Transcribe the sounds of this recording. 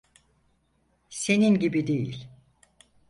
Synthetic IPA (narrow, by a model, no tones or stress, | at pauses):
se̞ninɟibid̪ejḭlʲ